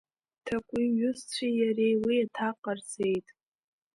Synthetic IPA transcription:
tʰakʷʼiɥʊzt͡sʷʰijaɾe̞jwiatʰaqʼart͡sʰe̞jtʼ

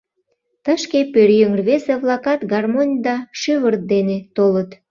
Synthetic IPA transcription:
t̪əʃkepøɾjøŋərβeseβlɑkɑt̪ɡɑrmonʲd̪ɑʃyβərt̪̚d̪enet̪olət̪

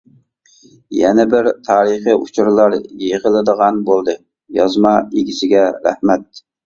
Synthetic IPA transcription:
jɛnɛbɪɾt̪ʰɑːɾəχiut͡ʃʰuɾlˠɑɾjeʁəlˠɨd̪əʁɑnbolˠd̪ɨ | jɑzmɑeɡʲisɪɡʲɛɾæ̰hmɛt̪̚

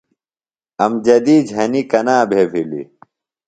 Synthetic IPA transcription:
ɐmd͡ʑɐd̪iːd͡ʑɦɐnikɐnaːbʱeːfilḭ

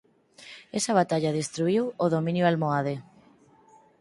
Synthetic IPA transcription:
esaβ̞at̪aʎaðest̪ɾuiwoðomĩnjoalmoað̞e

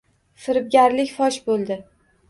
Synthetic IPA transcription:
fɪɾɪb̚ɡʲaɾlɪkʲfɒʃbolˠd̪ɪ

